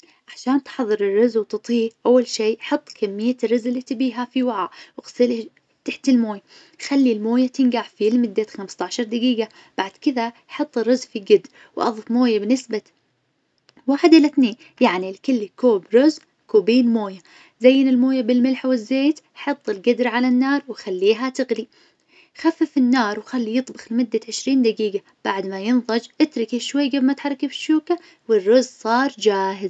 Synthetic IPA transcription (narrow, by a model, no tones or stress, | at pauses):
ʔaʕʃaːnt̪ħɑðˤːɨɾɪrːʊzwt̪ɨt̪ˤiːʔawːalʃiːʔħɑt̪ˤːkʰamːɪjːarˤːʊzɪlːit̪ɪbiːɦafiwaʕaʔwɣsɪl | t̪aħt̪ɪlmoːja | xalːilmoːjat̪ɪnɡaʕfilmɪd̪ːat̪xamst̪aʕʃɑɾˤd̪ɪɡiːɡa | b̥aʕd̪̥kɪðaħɑt̪ˤːɪrːʊzfiɡɪd̪ | wʔɑ̰ðˤɨfmoːjabnɪsba | waːħɪd̪ʔɪlaθneːn | jaʕnilkɪlːikoːbɾʊz | koːbiːnmoːja | zajːɪnɪlmoːjabɪlmɪlħawɪzːeːt̪ | ħɑt̪ˤːɪlɡad̪ɾʕalanːɑːɾˤwxalːiːɦat̪ɪɣli | xafːɪfɪnːɑːɾˤwxalːijɨt̪ˤbɑxlmʊd̪ːaʕɪʃɾiːnd̪aɡiːɡa | b̥aʕd̪majɨnðˤɑd͡ʒʔɪt̪ɾɪkiʃwajːɡabmaʔt̪ħɑrˤːkibɪʃːuːka | wɪrːʊzsˤɑːɾˤd͡ʒaːɦɪz